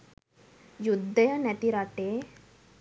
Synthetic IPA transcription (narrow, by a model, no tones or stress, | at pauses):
jud̪ʱːɐjɐnɛʈ̪iɾaːʈe